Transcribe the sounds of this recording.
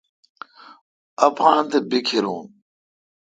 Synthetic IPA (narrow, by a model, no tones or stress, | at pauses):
ɐpaːnt̪ebikʰiɾṵːn